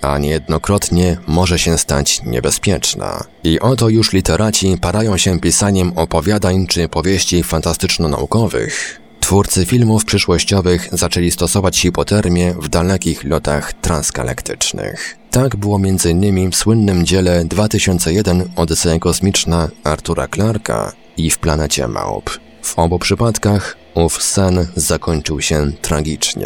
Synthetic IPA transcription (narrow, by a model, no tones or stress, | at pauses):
a̰ɲɛjɛd̪nɔkɾɔt̪ɲɛmɔʐɛɕɛst̪a̰t͡ɕɲɛ̰bɛspʲjɛt͡ʂna̰ | iʔɔt̪ɔjuʂlʲit̪ɛɾʔat͡ɕipaɾajɔ̃w̃ɕɛpʲisaɲɛmɔpɔvʲjad̪aɲt͡ʂɘpɔvʲjeɕt͡ɕifant̪ast̪ɘt͡ʂnɔna̰ukɔvɘ̰x | t̪fuɾt̪sɘfʲilmufpʂɘʂwɔɕt͡ɕɔvɘxzat͡ʂɛlʲist̪ɔsɔvat͡ɕxipɔt̪ɛɾmʲjɛvd̪alɛkʲixlɔt̪a̰xt̪ɾanska̰lɛ̰kt̪ɘt͡ʂnɘ̰x | t̪aɡbɘwɔmʲjɛnd̪zɘinːɘmʲifswɘnːɘmd͡ʑɛlɛd̪vat̪ɘɕɔnt̪sɛjɛd̪ɛnɔd̪t̪sɛɛkɔsmʲit͡ʂnaaɾt̪uɾa̰klaɾkʰa̰ | ifplanɛt͡ɕɛ̰ma̰wp | vɔbupʂɘpat̪kax | ufsɛnz̥akɔɲt͡ʂɘwɕɛt̪ɾaɡʲit͡ʂɲɛ̰